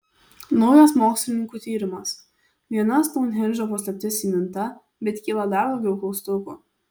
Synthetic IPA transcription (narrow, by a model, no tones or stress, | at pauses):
nɔʊjɛsmoːksʲlʲɪnʲɪŋkuːt̪ʲiːɾʲɪmɐs | ʋʲiɛnɐst̪ɔʊnɦʲɛnʲʒʲopɔsʲlʲɛpʲt̪ʲɪsimʲɪnt̪ɐ | bʲɛt̪kʲiːlˠɐd̪ɑɾd̪ɐʊɡʲɛʊkˠɔʊst̪ʊkuː